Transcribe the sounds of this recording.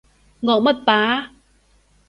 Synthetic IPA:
ŋɔ̰˧˩mə˦˥˩t̚p̪aː˨˦

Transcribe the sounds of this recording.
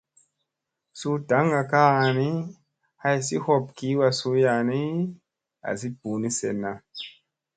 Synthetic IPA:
su˧da˨˦ŋa˨ka˦a˨ni˦ | ha˧jsi˦ho˦p̚ki˨˦wa˧su˧˦ja˨ni˦ | a̰˨s̬i˦bu˨ni˦sḛ˨nːa˨

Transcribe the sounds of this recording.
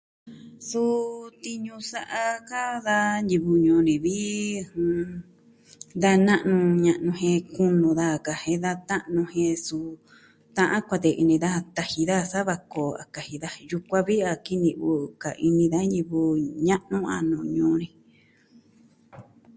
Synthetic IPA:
su˦t̪i˧ɲũ˧sa˧ʔa˧ka˦ða˦nji˧βu˧ɲũː˧nĩ˨βi˦˧hũ˧ | d̪a˧nã˦ʔnũ˧ɲã˧ʔnũ˧hẽ˧ku˦nũ˧ða˦˨ka˨hẽ˧ða˧t̪ã˦ʔnũ˧hẽ˧su˧ | t̪ã˧ʔã˦kʷa˧t̪e˧ʔḭ˧nĩ˧ða˦˧t̪a˧hi˧ða˦˧sa˦βa˧ko˨a̰˨ka˨hi˧ða˦ju˧kʷa˧βi˦a˧ki˦nĩ˧βu˧ka̰˨ʔi˧nĩ˧ða˦ni˧βu˧ɲã˦ʔnũ˦a̰˧nũ˨ɲũː˧˦nĩ˧

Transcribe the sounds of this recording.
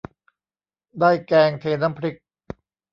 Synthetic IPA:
d̪aː˥˩jkɛː˧ŋt̪ʰeː˧na˦˥˩mpʰɾi˦˥k̚

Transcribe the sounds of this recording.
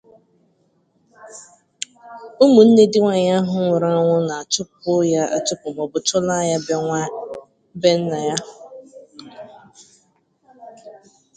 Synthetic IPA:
o˦mu˨n̩˦ne˦dɪ˦ŋʷa˨ɲa˦ɦʊ˦ŋʷʊ˨ɾa˦a˦ŋʷʊ˦na˨a˨t͡ʃʊ˦pʊ˦ja˦a̰˨t͡ʃʊ˦pʊ˨m˨ɔ˨bʊ˨t͡ʃʊ˦la˦˨ja˦ | be˦n̩˦na˨ja˦

